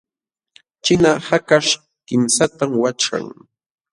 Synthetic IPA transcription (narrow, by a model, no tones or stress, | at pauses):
t͡ʃɪnahakaʃ | kɪmsat̪amwat͡ʃa̰ŋ